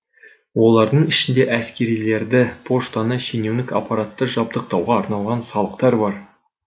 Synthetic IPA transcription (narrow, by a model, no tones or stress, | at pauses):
wo̞lˠɑɾd̪əɴɪʃɪnd̪e̞ʔæskʲe̞ɾijle̞ɾd̪ɪpʰo̞ʃt̪anəʃene̞wnɪkɑ̰pɑɾat̪ːəʒɑb̚d̪əq̚t̪ɑwʁɑːɾnɑlˠʁɑnsɑlˠəqt̪ɑɾbɑɾ